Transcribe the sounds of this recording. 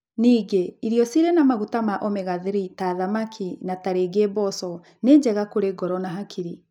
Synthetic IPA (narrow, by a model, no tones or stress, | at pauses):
niːɡeiɾiɔsiɾɛnamaɣutamaʔɔmeɣaðeɾitaðamakʰinataɾeɡebɔsɔ | neːd͡ʑɛɣakoɾeɡɔɾɔnaɦakʰiɾi